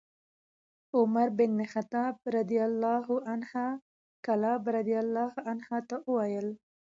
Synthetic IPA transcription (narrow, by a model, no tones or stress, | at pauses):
ʊmaɾbɪnːxat̪ɑb̚ɾad̪ijalːɑɦʊʔanhɑ | kalɑbɾad̪ijalːɑhanhɑt̪aʔəwajəl